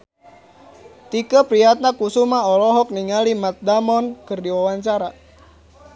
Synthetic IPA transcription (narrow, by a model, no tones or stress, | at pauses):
t̪ikəpɾiat̪̚nakusumaɔlɔɦɔk̚niŋalimat̪̚damɔnkɨrdiwawaɲt͡ʃaɾa